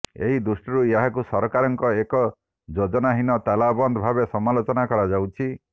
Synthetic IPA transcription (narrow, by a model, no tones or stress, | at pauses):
ḛɦid̪usʈɔɾujeɦakusɔɾɔkaɾɔŋkɔekɔ | d͡ʒod͡ʒɔnaɦinɔt̪alabɔnd̪ʱɔbʱabesɔmalot͡ʃɔnakɔɾad͡ʒawt͡ʃʰi